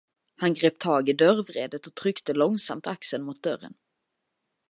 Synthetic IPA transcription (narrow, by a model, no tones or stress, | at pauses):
hanɡɾeːp̚t̪ʰɑːɡɪd̪œɾvɾeːd̪ət̪ɔt̪ʰɾʏkt̪əlɔŋsa̰mt̪aksənmʊt̪̚d̪œɾə̰n